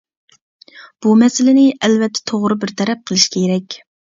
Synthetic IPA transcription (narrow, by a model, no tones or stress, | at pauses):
b̥umɛsɪlɪnɪʔɛlvɛt̪ʰːɛ̥t̪ʰoʁɾɨbɪɾt̪ʰɛɾɛp̚qʰəlˠɨʃkʲʰeeɾɛkʲ